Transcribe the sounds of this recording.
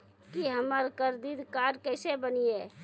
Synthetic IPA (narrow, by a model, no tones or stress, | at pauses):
kiɦəməɾkəɾd̪iːd̪kaːɖkɛːsebənie